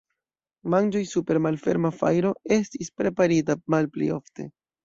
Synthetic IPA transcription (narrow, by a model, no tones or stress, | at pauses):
mand͡ʒo̞jsupe̞ɾmalfe̞̰ɾmafa̰jɾo̞e̞stispɾe̞paɾitamalplḭo̞fte̞̰